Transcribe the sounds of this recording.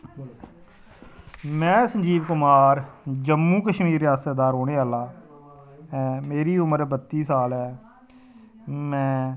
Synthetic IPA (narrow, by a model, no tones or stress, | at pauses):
mɛ̃ːsə̃ɲd͡ʒiːʋkʊmaːɾd͡ʒəmːũːkəʃmiːɾɪjaːsaːd̪aːɾɦoːɽeːaːlaː | meːɾiːʊməɾbət̪ːiːsaːlɦɛː | mɛ̃ː